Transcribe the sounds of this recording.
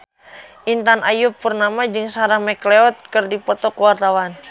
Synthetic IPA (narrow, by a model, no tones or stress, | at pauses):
ʔint̪anʔajupːurnamad͡ʒɨŋsaɾaŋmɛklɛɔt̪̚kərdipɔt̪ɔkuwart̪awan